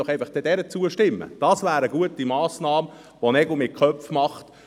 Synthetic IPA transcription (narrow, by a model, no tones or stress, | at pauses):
ɔχɛɪfɑχd̥ɛd̥ɛɾət͡suəʃtɪmːə̰d̥ɑsvæːɾəɡuətimɑːsnɑːm | ʋonɛɡʊmɪkʰœfmɑχt